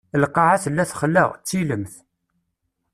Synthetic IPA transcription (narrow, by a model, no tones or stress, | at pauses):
əlqːɑʕaθəlːæθχəlːə̰ʁt͡sːiləmθ